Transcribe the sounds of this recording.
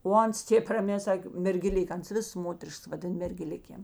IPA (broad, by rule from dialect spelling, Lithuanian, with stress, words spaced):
oː ˈɐns ˈtʲeːp rɐˈmʲɛː ˈsɑːkʲeː mʲɛrʲɡʲɛˈlʲɪk ˈɐns ˈʋʲɪs ˈmoːtʲɛrʲɪʃks ʋɐˈdʲɪn mʲɛrʲɡʲɛˈlʲɪkʲeːm